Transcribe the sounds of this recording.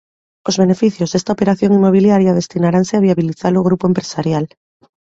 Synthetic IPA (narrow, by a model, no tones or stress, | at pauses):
o̞zβe̞ne̞fiθjo̞zðe̞st̪aope̞ɾaθjo̞ŋimo̞β̞iljaɾjaðe̞st̪inaɾanseaβ̞iaβiliθaloɣɾupoempɾesaɾjal